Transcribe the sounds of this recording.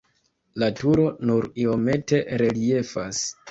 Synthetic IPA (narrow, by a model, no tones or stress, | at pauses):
latuɾo̞nuɾio̞me̞te̞ɾe̞lie̞fas